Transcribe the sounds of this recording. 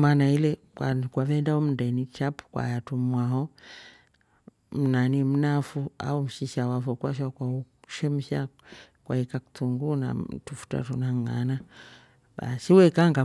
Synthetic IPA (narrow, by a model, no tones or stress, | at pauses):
manailɛkwakwavɛndaɔm̩ndɛnit͡ʃapu̥kwa̰jatumwaɦɔ | m̩nanim̩nafua̰um̩ʃiʃawafɔkwaʃ̬akwauʃɛm̩ʃakwa̰ikaku̥tuŋɡuna̰tufu̥ta̰tunaŋa̰na | ba̰siwɛkaŋɡa